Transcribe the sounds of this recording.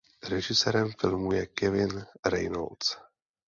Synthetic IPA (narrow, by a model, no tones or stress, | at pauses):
ɾɛʒɪsɛːɾɛmfɪlmujɛkɛvɪnɾɛjno̰lt͡s